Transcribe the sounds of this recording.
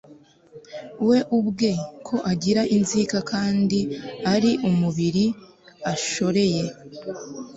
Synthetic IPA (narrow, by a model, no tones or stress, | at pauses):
we̞ʔubɡe̞kʰo̞ʔaɟiɾaʔinzikakʰaːndiaɾiʔumuβiɾi | aʃo̞ɾe̞je̞